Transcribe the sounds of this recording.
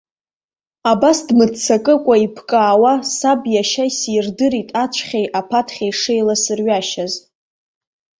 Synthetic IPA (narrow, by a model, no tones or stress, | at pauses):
abasdmɨt͡sʰakʼɨkʷʼaipʰkʼaːwasabjaʃajsirdɨɾitʼat͡ʃʷʰχʲejʔapʰatʰχʲajʂejlasɨrɥaʃaz